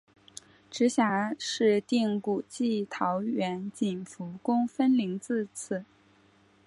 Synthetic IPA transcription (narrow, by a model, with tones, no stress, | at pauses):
ʈ͡ʂɻ̩˧˥ɕja˧˥ʂɻ̩˥˧t̪i˥˩ŋku˨˩t͡ɕi˥˩t̪ʰɑ˧˥ʊɥɛ˧˥nt͡ɕi˨˩nfu˧˥kʊ˥ŋfə˥nli˧˥ŋt͡sɹ̩˥˧t͡s̩ʰ˥˩